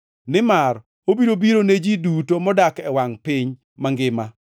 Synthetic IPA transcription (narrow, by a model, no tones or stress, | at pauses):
nɪmaɾ | obiɾobiɾoned͡ʒidutomɔdakɛwaŋpɪɲ | maŋɡɪma